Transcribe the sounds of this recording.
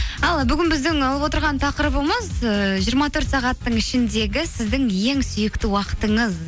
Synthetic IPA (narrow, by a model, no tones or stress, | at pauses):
ɑlˠbʏɡʲɪnbɪzd̪ɪŋɑlˠəβwot̪əɾʁɑnt̪ʰɑqəɾəbəməzəʒijəɾmɑt̪ʰɵɾt̪sɑʁɑt̪ːəɴɪʃɪnd̪e̞ɡʲɪsɪzd̪ɪŋje̞ŋsʏjɪkt̪ɪwɑqə̥t̪əɴəz